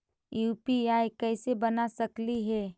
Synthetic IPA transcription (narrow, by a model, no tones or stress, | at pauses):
juːpiaːikɛːsebɐnasɐkliɦɛː